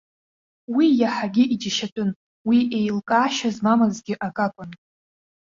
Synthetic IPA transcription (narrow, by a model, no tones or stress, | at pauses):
wijaħaɡʲɪʔid͡ʒaʃatʼʊn | wiʔe̞jlkʼaːʃazmamɨzɡʲɪʔakʼakʷʼʊn